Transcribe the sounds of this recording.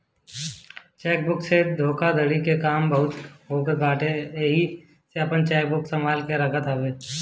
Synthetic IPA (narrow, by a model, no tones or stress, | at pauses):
t͡ʃɛːk̚bʊksed̪ʱoːkad̪əɽikekaːmbəɦʊt̪ɦoːkebaːʈeɦi | seɐpənt͡ʃɛːk̚bʊksəmaːlkeɾəkʰət̪aːbeː